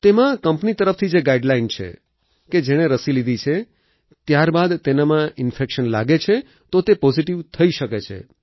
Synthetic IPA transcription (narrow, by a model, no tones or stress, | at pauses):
t̪emãkəmpnit̪əɾəft̪ʰid͡ʒeɡaiɖlaint͡ʃʰḛ | ked͡ʒeɽ̃eɾəsilid̪ʱit͡ʃʰe | t̪jaɾbad̪t̪enamãɪnfekʃənla̰ɡet͡ʃʰe | t̪ot̪epɔziʈiʋt̪ʰəiʃəket͡ʃʰḛ